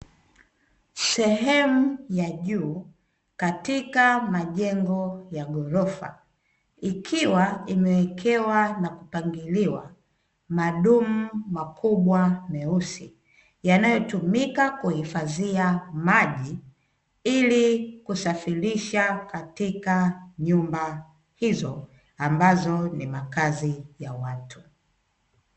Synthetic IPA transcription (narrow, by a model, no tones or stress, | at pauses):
sɛɦɛmujaʄuː | katikamaʄɛŋɡɔjaɡɔɾɔfa̰ | ikʰiwaimɛwɛkʰɛwanakupaŋɡiliwa̰ | maɗum̩makʰuɓwamɛusi | janajɔtumikakuhifaziamaʄi | ilikusafiɾiʃakatikaɲumba | hizɔ | ambazɔnimakazijawatʰu̥